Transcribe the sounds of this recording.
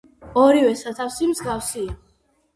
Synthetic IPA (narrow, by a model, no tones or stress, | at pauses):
ɔɾivɛsat̪ʰafsimzɡafsia